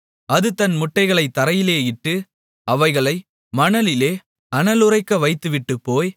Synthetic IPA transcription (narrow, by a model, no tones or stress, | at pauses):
ɐðɯt̪ɐnmʊʈːɐɪɣɐɭɐɪt̪ːɐɾɐjɪleːɪʈːɯ | ɐʋɐɪɣɐɭɐɪ | mɐɳɐlɪleː | ɐnɐlɯrɐɪkːɐʋɐɪt̪ːɯʋɪʈːɯpːoːj